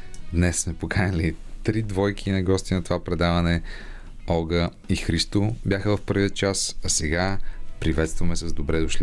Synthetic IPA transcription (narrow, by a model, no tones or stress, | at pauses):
d̪nɛsːmɛpokʰanʲəlit̪ɾid̪vɔjk̟ʰinɐɡɔst̪inɐt̪ovapɾɛd̪avənɛ | ɔɡə | ixɾist̪obʲjaxəvɐfpɤɾviət͡ʃasɐsɛɡapɾivɛt̪st̪vɐmɛsəzd̪obɾɛd̪ʊʃli